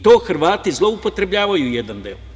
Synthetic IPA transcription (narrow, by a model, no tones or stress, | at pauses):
t̪o̞ːxr̩ʋaːt̪izlˠo̞upo̞t̪ɾe̞bʎaːʋajujed̪and̪ḛo